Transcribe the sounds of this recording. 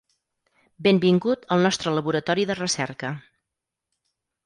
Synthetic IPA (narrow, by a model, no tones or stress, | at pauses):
bembiŋɡut̪əlˠnɔst̪ɾələβuɾət̪ɔɾiðərəsɛɾkə